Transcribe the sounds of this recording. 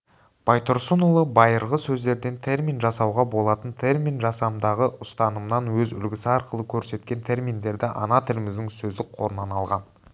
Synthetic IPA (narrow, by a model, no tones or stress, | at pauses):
b̥ɑjt̪ʰoɾsunulˠəbɑjəɾʁəsɵzd̪e̞ɾd̪e̞nt̪ʰe̞rmʲinʒɑsɑwʁɑbo̞lˠɑt̪ənt̪ʰe̞rmʲinʒɑsɑmd̪ɑʁəʊst̪ɑnəmnɑnwɵzʏ̰lɡʲɪsɪɑɾqəlˠəkʲʰɵɾse̞t̪kʲe̞nt̪ʰe̞rmʲind̪e̞ɾd̪ɪʔɑ̰nɑt̪ʰɪlɪmɪzd̪ɪŋsɵzd̪ɪk̚qʰo̞ɾənɑnɑlˠʁɑn